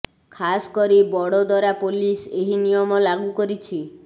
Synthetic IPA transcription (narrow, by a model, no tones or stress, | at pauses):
kʰaskɔɾibɔɽɔd̪ɔɾapoliseɦinijɔmɔlaɡukɔɾit͡ʃʰi